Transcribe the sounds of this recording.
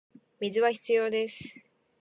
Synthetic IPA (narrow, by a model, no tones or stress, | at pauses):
mʲizɨβaçi̥t͡sɨjo̞ːd̪e̞sɨ̥